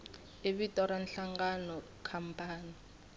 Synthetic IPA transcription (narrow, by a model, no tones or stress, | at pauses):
eβitʼɔɾanɬaŋɡanɔ | kʰampʰʼaːni